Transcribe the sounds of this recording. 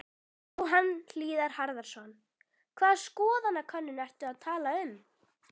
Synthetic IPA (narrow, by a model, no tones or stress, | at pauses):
ɔɦanl̥iːðaɾ̥haɾðaɾ̥sɔn | kʰvaːðskɔːðanːakʰœnːʏnɛr̥t̪ʏaðt̪ʰaːlaʏm